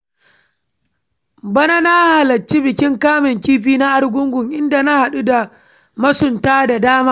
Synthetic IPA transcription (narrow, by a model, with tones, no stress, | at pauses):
bɐ˦na˦na˦ha˨lɐ˨t͡ʃːi˦bɪ˨kʲɪ˦ŋkaː˦mɪ˨ŋkʲiː˦ɸiː˦na˦ʔa˦ɽɡʷʊ˦ŋɡʷʊ˨ŋʔɪ˦nda˨na˦ha˨ɗu˦da˨ | mɐ˦sʊ˨ntaː˦da˨daː˦maː˦